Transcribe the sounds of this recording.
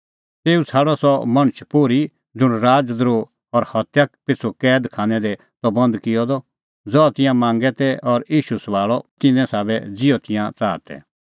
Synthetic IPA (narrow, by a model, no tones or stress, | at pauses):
t̪eːut͡sʰaːɽɔsɔmɐ̃ɽ̃t͡ʃʰpuɾi | d͡zʊɽɾaːd͡zd̪ɾo | ɔɾhɐt̪jakpɪt͡sʰukɛːd̪kʰaːnɛ̃d̪ɛ | t̪ɔbɐ̃nd̪kɪjɔd̪ɔ | d͡zɔt̪ɪ̃jãmãːŋɡɛt̪ɛɔɾiːʃusʋaːɭɔt̪ɪnɛ̃saːbɛd͡zɪjɔt̪ɪ̃jãt͡saːt̪ɛ̰